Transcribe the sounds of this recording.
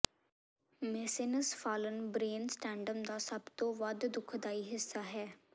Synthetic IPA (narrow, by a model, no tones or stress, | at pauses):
mɛsɪnəsfʰaːlənbɾeːnsʈɛ̃ːɳɖəmd̪aːsəbt̪õːʋəd̪d̪ʊkʰd̪aːiːɦɪsːaːɦɛː